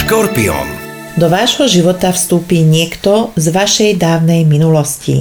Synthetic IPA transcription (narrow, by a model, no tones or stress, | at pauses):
ʃkɔɾpiɔ̰n | d̪ɔʋaːʒɦɔʒiʋɔt̪afst̪uːpiːɲɪɛkt̪ɔzʋaʃɛjd̪aːʊnɛjminulɔscḭ